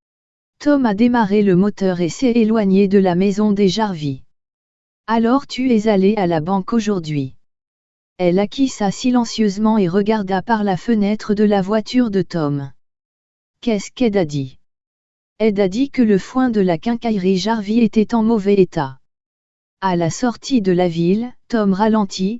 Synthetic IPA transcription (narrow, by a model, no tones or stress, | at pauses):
t̪ɔmad̪emaʁeləmɔt̪œʁesɛːlwaɲed̪əlamɛzɔ̃d̪eʒaʁvi | alɔʁt̪yɛzalealabɑ̃koʒuʁd̪ɥi | ɛlakʰʲisasilɑ̃sjøzmɑ̃eʁəɡaʁd̪apaʁlafənɛt̪χəd̪əlavwat̪yʁd̪ət̪ɔm | kɛskɛd̪ad̪i | ɛd̪ad̪ikələfwɛ̃d̪əlakɛ̃kajʁiʒaʁviet̪ɛt̪ɑ̃mɔvɛet̪a | alasɔʁt̪ʰid̪əlavilt̪ɔmʁalɑ̃t̪ʰi